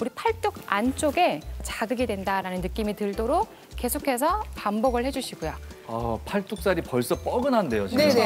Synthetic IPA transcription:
uɾipʰaɭt͈oɡant͡ɕ͈oɡe̞t͡ɕaɡɯɡidwe̞ndaɾanɯnːɯk͈imitɯɭdoɾok̚ | k͈ːe̞sʰokʰe̞s̬ʰʌpambʌɡɯɭhe̞d͡ʑuɕʰiɡojoapʰaɭt͈ok̚s͈aɾipʌɭs͈ʌp͈ʌɡɯnɦande̞jot͡ɕee

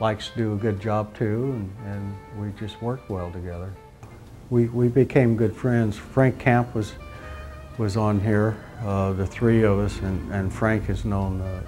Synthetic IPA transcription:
laɪkstʰɨdɨːɡʊd̚d͡ʒɑb̚tʰʉə̃nɨ̃nwid͡ʒʌst̚wɜ˞k̚t̚wɛlˠtɨɡɛðə˞ | wiwibɨkʰẽɪ̃mɡʊd̥fɹɛ̃ndz̥fɹæ̃ŋkʰæ̃mpwʌz | wʌzn̩ɦiɹ | ðɨθɹiʌvʌsɨ̃nɨ̃nfɹæ̃ŋkhɨznõʊ̃n

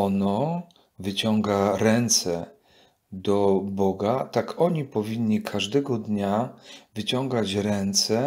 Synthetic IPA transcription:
ɔnɔ | vɘt͡ɕɔŋɡaɾɛnt̪sɛ | d̪ɔbɔɡat̪akʰɔɲipɔvʲiɲːikʰaʐd̪ɛɡɔd̪ɲavɘt͡ɕɔ̃ŋɡat͡ɕɾɛnt̪sɛ

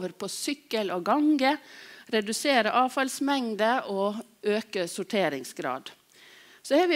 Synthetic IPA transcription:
ʋəɾpʰɔsʏkːəlɔɡɑŋɡəɾɛd̪ʉseːɾəʔɑːfɑlsmɛŋd̪əʔɔ | øːkəsʊʈʰeːɾɪŋsɡɾɑ̰ːd̪ | sɔɛʋɪ

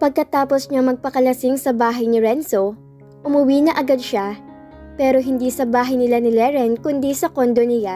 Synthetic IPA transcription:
pɐɡ̚kɐt̪aːposɲamɐɡ̚pɐkɐlɐsɪŋsɐbaːɦɐjnɪɹɛnso | ʔʊmʊwiːnɐʔɐɡad̪̚ʃa | pɛːɾo̞ɦɪnd̪iːsɐbaːɦɐjnɪlanɪlɛɹɛnkʊnd̪isɐkond̪onɪja

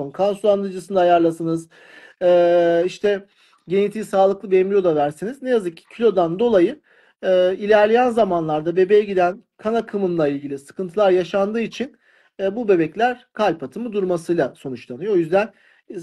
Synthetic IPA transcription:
nkʰansulˠand̪ɯd͡ʒɯsɯnd̪ajaɾlˠasɯnɯz | ɛːiʃt̪ʰɛ | ɟe̞nit̪ʰiːsaːlˠɯklˠɯbejimlʲijo̞d̪avæɾsiniznejazɯkcʰilʲo̞d̪and̪o̞lˠajɯ | ɛilʲæɾlʲejænzamanlˠaɾd̪abe̞bejɛɟid̪æn | kʰanakʰɯmɯnlˠailʲɟilʲisɯ̥kɯnt̪ʰɯlˠaɾjaʃand̪ɯːit͡ʃʰinː | bube̞bɛclʲæɾkʰalʲpʰat̪ʰɯmɯd̪uɾmasɯjlˠaso̞nut͡ʃlˠanɯjoojyzd̪æn

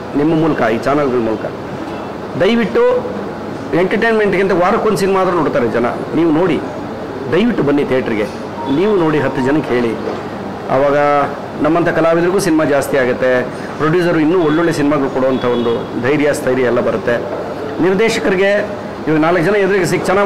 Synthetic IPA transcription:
nimːɐmuːlɐkɐiːt͡ʃaːnɐlɡɐɭmuːlɐkɐ̰ | d̪ɐjʋiʈːu | eɳʈɐɾʈejnmeɳʈkint̪ɐʋaːɾɐkːond̪s̬inimaːd̪ɐɾɐnoːɽt̪aːɾed͡ʒɐnɐ̰niːʋuno̞ːɽi | d̪ɐjʋiʈːubɐnːit̪ʰijaːʈɐɾiɡe̞ | niːʋuno̞ːɽiɦɐt̪ːud͡ʒɐnɐkːe̞ːɭi | ɐ̰ʋaːɡɐ | nɐmːɐnt̪ʰɐkɐlaːʋid̪ɐɾiɡuːsinimad͡ʒaːst̪iaːɡɐt̪ːe̞ | pɾoɖjuːs̬ɐɾuinːuːoɭːoɭːesinimaːɡɐɭukɔɽoːʋɐnt̪ʰɐo̞nd̪ud̪ʱɐjɾjɐst̪ʰɐjɾjɐɛlːɐbɐɾut̪ːe̞ | niɾd̪ɛːʃɐkɐɾiɡe̞ | iːʋaːɡɐnaːlɐkːɐd͡ʒɐnɐɛd̪ɐɾiɡes̬ikt͡ʃɐnaː

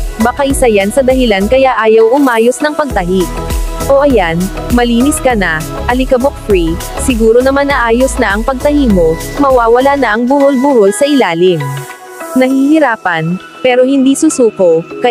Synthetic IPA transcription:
bɐkaʔɪsajansɐd̪ɐɦɪlankɐjaʔaːjɐwʔʊmaːjosnɐŋpɐɡ̚t̪ɐɦiʔoʔɐjan | mɐliːnɪskɐnɐ | ʔɐlɪkɐbok̚fɹi | sɪɡuːɾonɐmanʔɐʔaːjosnɐʔɐŋpɐɡ̚t̪ɐhimomɐwaːwɐlanɐʔɐŋbʊholbʊholsɐʔɪlaːlɪm | nɐhihɪɾaːpɐn | pɛːɾohɪnd̪iːsusuːko̞kɐ

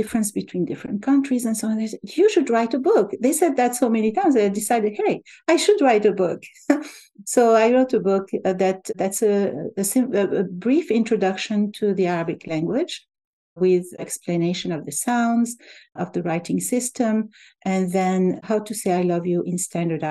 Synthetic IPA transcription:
dɪfɹɨ̃nsb̥ɨtʰw̥ĩndɪfɹɨ̰̃nt̚kʰʌ̃ntʰɹ̥izɛ̃nsoʊ̃nðesɛjɨʃɨdɹaɪtəbʊkðeɪsɛd̪̚ðætsoʊmɛnitãɪ̃mzaadɪsaɪdɨd̚heɪaɪʃɨdɹaɪtəbʊk | soʊaɪɹoʊtəbʊkðætðætsəsɪ̃bɹifɪ̃ntɹ̥ɔdʌkʃɨ̃ntʰuðiaɹabɪkʰlæ̃ŋɡwɪ̥d͡ʒ | wɪðɛ̰ksplɨneɪʃɨ̃nʌvðəsãʊ̃ndzʌvðəɹaɪtɪ̃ŋsɪstʰə̃mʔɨ̃nðɛ̃nhaʊtuseɪaɪlʌvjuʔɪ̃nstʰæ̃ndə˞da

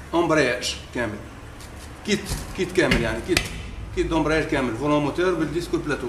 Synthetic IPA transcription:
ʔɑ̃mbɾjæʃkæməl | kit̪kit̪kæməljaʕnikit̪kid̪ɑ̃mbɾjæʒkæməlvulõmot̪əɾbəld̪iskulplæt̪u

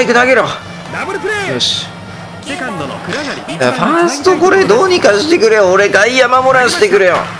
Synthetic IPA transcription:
ikɯ̟naɡeɾo | joɕ | jaɸãsɨ̥t̪okoɾed̪oːɲ̟ikaɕi̥t̪e̞kɯ̟ɾejoːɾe̞ɡaijamamo̞ɾãɕi̥t̪e̞kɯ̟ɾejo̰

